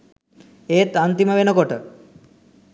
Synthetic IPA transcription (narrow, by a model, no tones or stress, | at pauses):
eːt̪ant̪iməʋenəkoʈə